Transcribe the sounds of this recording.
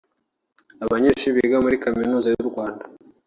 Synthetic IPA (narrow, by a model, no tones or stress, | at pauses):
aβaɲeːʃiβiɡamuɾikaminuːzajuɾɡwaːnda